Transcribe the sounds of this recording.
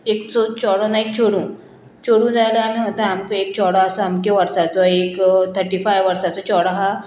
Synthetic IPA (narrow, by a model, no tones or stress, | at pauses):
eksɔt͡ɕɔɽɔnaik̚t͡ɕoɽũː | t͡ɕoɽũːd͡zajlaamiɦət̪aamkek̚t͡ɕɔɽɔasɔamkeʋəɾsat͡sɔekt̪ʰəɾʈiːfajʋʋəɾsat͡sɔt͡ɕɔɽɔɦa